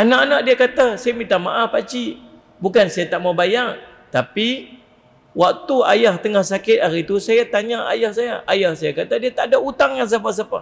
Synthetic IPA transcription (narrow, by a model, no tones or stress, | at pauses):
anaʔanaʔdiakat̪asajamint̪amaʔahpat͡ʃi | bukansajat̪aʔmabajaŋ | t̪api | wak̚t̪ua̰jaht̪əŋahsakɪt̪̚aɾit̪usajat̪aɲaʔa̰jahsajaʔajahsajakat̪adiat̪aʔdaut̪aŋkans̬ap̬as̬apa̰